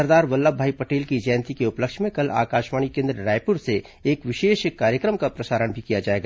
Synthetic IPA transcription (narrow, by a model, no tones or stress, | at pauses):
ɐɾd̪aːɾʋɐlːaːbʱaːipɐʈeːlkid͡ʒɛjnt̪ikeʊpləkʃmẽkɐla̰ːkaːʃmaːɽ̃ikẽːnd̪ɾəɾaːjpʊɾse | eːkʋɪʃeːʃkaːɾjəkɾəmkapɾɐsaːɾəɳbʱikijad͡ʒaːeːɡa